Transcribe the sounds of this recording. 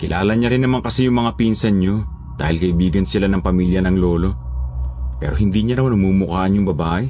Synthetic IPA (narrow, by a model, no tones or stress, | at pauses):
kɪlʔa̰ːlɐɲaɾɪnːɐmaŋkɐsijʊŋmɐŋapinsɐnɲo | d̪̥aːhɪlkɐʔɪbiːɡɐnsɪlanɐŋpɐmiːljɐnɐŋlo̞ːlo̞ | pɛ̰ːɾoɦɪnd̪iɲanɐmanɐmumʊkaːʔɐnjʊŋbɐbaːʔɛ